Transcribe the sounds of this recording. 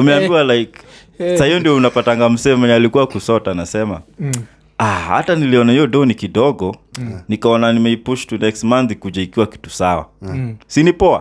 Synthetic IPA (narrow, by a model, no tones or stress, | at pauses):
umɛambiwalaik | sahijɔndiɔunapataŋɡam̩sɛmɛalikuwakusɔtanasɛma̰ | aha̰taniliɔnahijɔdɔnikiɗɔɡɔnikaɔnanimɛipuʃtunɛkstmanθikuʄaikiwaki̥tu̥sawa̰sinipɔa̰